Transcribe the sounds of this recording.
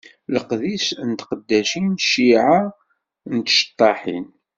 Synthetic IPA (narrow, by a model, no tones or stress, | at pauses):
ləqðisnət̪qəd̪ːæʃinʃiʕa | nt̪ʃə̥t̪ˤːɑħḭn